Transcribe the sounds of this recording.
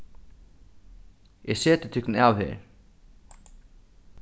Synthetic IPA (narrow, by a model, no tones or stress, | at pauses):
jɛɣsɛːt̪ɪt̪ʰʏknavhɛ̰ɾ